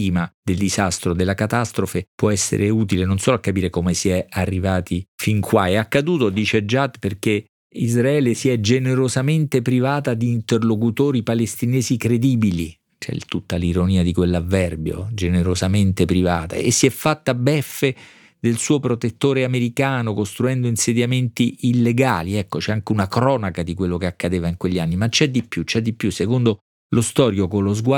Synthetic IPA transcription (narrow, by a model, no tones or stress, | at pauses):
iːmad̪eld̪izast̪ɾod̪elːakat̪ast̪ɾofepwɔɛsːḛɾʔeuːt̪ilenonsoːloakːapiːɾekomesiɛarːivaːt̪ifiŋkʰwa̰ɛakːad̪uːt̪od̪iːt͡ʃed͡ʒat̪ːperk̟e | izɾaɛːlesiɛd͡ʒeneɾozament̪epɾivaːt̪ad̪iːnt̪erlokut̪oːɾipalest̪inɛːzikɾed̪iːbili | t͡ʃɛ̰t̪ut̪ːaliɾoniːad̪ikwelːavːɛrbjo̰d͡ʒeneɾozament̪epɾiva̰ːt̪a̰ḛsːiɛfːat̪ːabɛfːe | d̪elsuːopɾot̪et̪ːoːɾeameɾikaːnokost̪ɾuɛnd̪oinsed̪jament̪iʔːlːeɡaːliɛkːot͡ʃɛaŋk̟eunakɾɔːnakad̪ikwelːokeakːad̪eːvaiŋkweʎːianːimat͡ʃːɛd̪ipːjut͡ʃɛd̪ːipːjusːekond̪o | lost̪ɔːɾjokolozɡwa